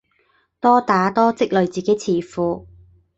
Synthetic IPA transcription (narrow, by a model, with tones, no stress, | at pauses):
t̪ɔː˥t̪aː˨˥t̪ɔː˥t͡sɪ˥k̚lɵ˨ɥt͡siː˨ke˨˥jt͡sʰiː˨˩fuː˨˧